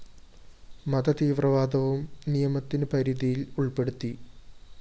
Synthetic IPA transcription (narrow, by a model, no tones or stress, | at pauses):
mɐd̪ɐt̪iːʋrɐʋaːd̪ɐʋumnijɐmɐt̪ːinɨpɐɾiðijiluɭpe̞ɽut̪ːi